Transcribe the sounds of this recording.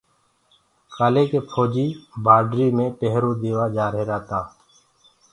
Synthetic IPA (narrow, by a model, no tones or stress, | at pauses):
kaːleːkeːpʰoːd͡ʒiːbaːɖɾiːmẽːpeɦɾõːd̪eːʋaːd͡ʒaːɾeːɾaːt̪aː